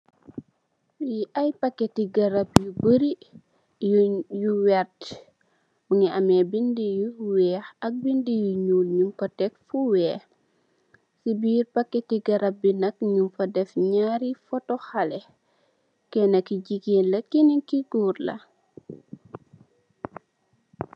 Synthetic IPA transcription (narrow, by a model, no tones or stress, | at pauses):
iʔajpakːɛtiɡɐɾɐp̚jubəɾi | juwɛrt | muŋiʔamɛbindijuwɛːxɐk̚bindijuɲuːlɲuŋkɔtɛk̚fuwɛːx | sibiːɾpakːɛtiɡɐɾɐp̚binɐkɲumfɐdɛfɲaːɾifɔtɔxalɛ | kɛnɐkiɟiɡeːnlɐkiniŋkiɡuːrlɐ̰